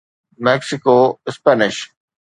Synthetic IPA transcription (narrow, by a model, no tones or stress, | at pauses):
mɛksɪkoːɪspɛːnɪʃ